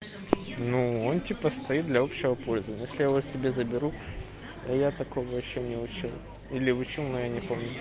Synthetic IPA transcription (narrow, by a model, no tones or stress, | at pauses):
nuontʲipəst̪ɐit̪̚d̪lʲɐo̞pɕːɪvəpo̞lʲzəvənʲɪəjesʲlʲɪjaɪvosʲɪbʲezəbʲɪɾu | t̪ojat̪ɐko̞vəjɪɕːonʲɪʊt͡ɕilˠ | ilʲɪʊt͡ɕilˠnojanʲɪpo̞mnʲʊ